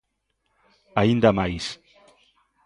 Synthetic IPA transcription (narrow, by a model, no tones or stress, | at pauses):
aind̪amajs